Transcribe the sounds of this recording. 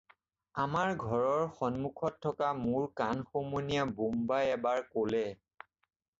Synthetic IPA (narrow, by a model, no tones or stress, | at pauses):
amaɹɡʱɔɹɔɹxɔnmukʰɔtʰːɔkamʊɹkanxomonijabumbajɛbaɹkolɛ